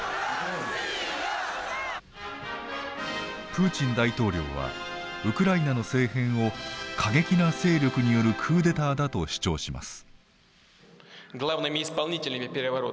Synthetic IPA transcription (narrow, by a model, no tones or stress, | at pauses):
pɯ̟ːt͡ɕĩnd̪ait̪o̞ːɾʲo̞̰ːβa̰ | ɯ̟kɯ̟ɾainano̞se̞ːhẽ̞ɰ̃o̞kʰaɡe̞kʲinase̞ːɾʲo̞kɯ̟ɲ̟ijo̞ɾɯ̟kʰɯ̟ːd̪e̞t̪aːd̪at̪o̞ɕi̥t͡ɕo̞̰ːɕima̰sɨ̥ | ɡlˠavnamʲispalˠnʲitʲilʲnʲimʲepʲeɾʲaβaɾo